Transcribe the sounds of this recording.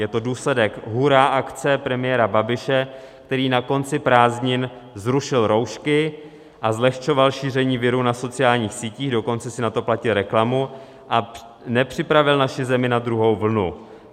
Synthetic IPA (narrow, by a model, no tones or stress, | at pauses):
jɛt̪o̞duːslɛdɛkɦuɾaːʔakt͡sɛpɾɛmɪjɛɾababɪʃɛ | k̚t̪ɛɾiːnako̞nt͡sɪpɾaːzɲɪn | zɾuʃɪlɾo̞wʃkɪ | ʔazlɛxt͡ʃo̞valʃiːr̝ɛɲiːvɪɾunaso̞t͡sɪjaːlɲiːxsiːciːɣdo̞ko̞nt͡sɛsɪnat̪o̞placɪlɾɛklamu | ʔa | nɛpr̥ɪpɾavɪlnaʃɪzɛmɪnad̪ɾuɦo̞wvl̩nṵ